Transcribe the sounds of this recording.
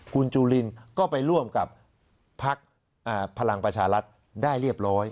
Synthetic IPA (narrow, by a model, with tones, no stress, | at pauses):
kʰu˧nt͡ɕuː˧li˧nkɔː˥˩pa˧jɾu˥˩əmka˨˩p̚ʰː | a˦˥k̚ | ʔaː˧˩pʰa˧la˧ŋpɾa˧t͡ɕʰaː˧ɾa˦˥t̪̚ | daː˥˩jɾi˥˩əp̚ɾɔː˦˥j